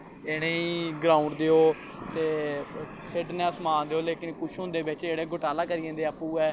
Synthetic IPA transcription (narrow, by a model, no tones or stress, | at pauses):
eɽ̃ẽiːɡɾãːuɳɖd̪eːoː | t̪eː | pʰɪʈnɛ̃ːəsmaːnd̪eːoːleːkɪnkʊʃʰɦʊ̃nd̪eːbɪt͡ʃeːɽeːɡʊʈaːlaːkəɾiːẽːnd̪eːapːuːɛː